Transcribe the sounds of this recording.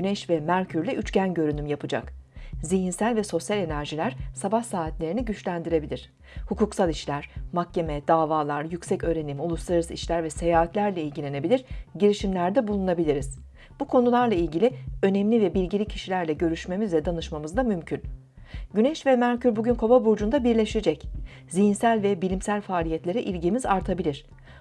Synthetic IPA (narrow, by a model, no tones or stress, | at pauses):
ɟynɛʃvɛmæɾcʰyɾlʲɛʔyt͡ʃcænɟø̞ɾynymjapɯd͡ʒa̰kziɦinsælʲvɛso̞sjalʲe̞næɾʒilʲæɾ̥sabahsaːɦat̪lʲe̞ɾiniɟyt͡ʃlʲænd̪iɾe̞bilʲiɾ̝̥ | hukuːksalˠiʃlʲæɾ̥mak̚ce̞mɛd̪aːvaːlˠaɾjycʲsɛcø̞ːɾe̞nimulˠuslˠaɾɯsɯiʃlʲæɾvɛse̞jaːɦat̪lʲæɾlʲɛilʲɟilʲe̞ne̞bilʲiɾ̥ɟiɾiʃimlʲæɾd̪ɛbulˠunabilʲiɾiz̥ | bukʰo̞nulˠaɾlˠailʲɟilʲɪø̞nɛmlʲivɛbilʲɟilʲicʰi̥ʃilʲæɾlʲɛɟø̞ɾyʃme̞mizlʲɛd̪anɯʃmamɯzd̪amymcʰyn | ɟynɛʃvɛmæɾcʰyɾbuɟynkʰo̞babuɾd͡ʒund̪abiɾlʲeʃed͡ʒɛc | zijinsælʲvɛbilʲimsælʲfaːlʲijɛt̪lʲe̞ɾɛʔilʲɟimizaɾt̪ʰabilʲiɾ̥